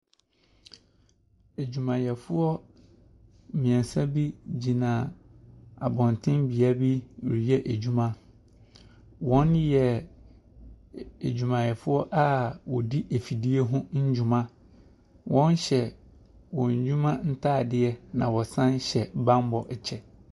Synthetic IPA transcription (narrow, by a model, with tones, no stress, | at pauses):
æ˨d͡ʑᶣu˨mã˨jɛ˨fʊ˦ɔ˦ | mĩ˨ɛ̃˨n˨sa˦bi˦d͡ʑi˨nã˨ | a˨bɔ̃˨ntʰɪ̃˦mbi˨a˦bi˦˨ɾi˨jɛ˦ʔæ˨d͡ʑu˦mã˦ | wɔ̃˦njɛ˨ | e˨d͡ʑᶣu˨mã˨jɛ˨fʊ˦ɔ˦ʔa˦wɔ˨di˦ʔe˨fi˨di˦e˦ɦʊ̃˦ɲ̩˦d͡ʑũ˦mã˦ | wʔɔ̃˦n˦ɕɛ˨ | wɔ̃˨ɲ˨d͡ʑᶣũ˦mã˦n̩˦tʰaː˦˨dɪ˦ɛ˦nã˨wɔ˨sã˦n˦ɕɛ˨bã˦m˦bɔ˨ʔɛ˨t͡ɕʰɛ˨